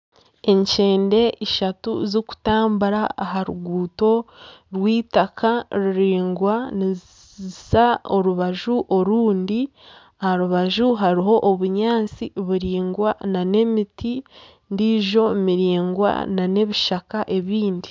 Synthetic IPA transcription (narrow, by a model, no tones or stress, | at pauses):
e̞ɲt͡ʃe̞ːnde̞iʃatṵzoku̥taːmbuɾaːɦaɾuɡuːto̞ɾwiːtakʰaɾiɾiːŋɡwani | saoɾuβaʒuʔo̞ɾuːndi | ahaɾuβaʒuɦaɾiɦo̞ʔːβuɲaːt͡siβuɾiːŋɡwanane̞miti | ndiːʒo̞miɾiːŋɡwa̰nane̞βiʃakaʔe̞βiːndi